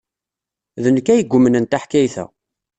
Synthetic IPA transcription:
ðənəkːæjəɡʷːʊmənənt̪aħkæjθæ̰

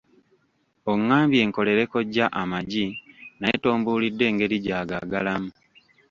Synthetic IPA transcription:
o̞ŋːaːmbje̞ːŋko̞le̞ɾe̞ko̞ɟːaʔamaɟinajeto̞ːmbuːlidːwe̞ːŋɡe̞ɾiɟaːɡaɡalamu

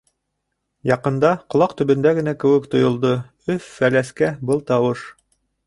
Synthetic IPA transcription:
jɑqɤ̆nd̪ɑqŏlˠɑqt̪ɵ̆βɘ̆nd̪æɡɘ̆nækɘ̆wɘkt̪ŏjŏlˠd̪o | ɵfːælæskæbɤlˠt̪ɑwɤʃ

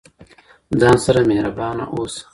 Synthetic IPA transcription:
d͡zɑ̃ːnsɐɾamehɾɐbɑːna̰ʔoːs

